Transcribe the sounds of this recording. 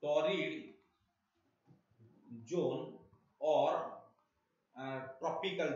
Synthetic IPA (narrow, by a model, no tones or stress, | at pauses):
ʈɔːɾiɽ | d͡ʒoːn | ɔːɾ | ʈɾɔpikəl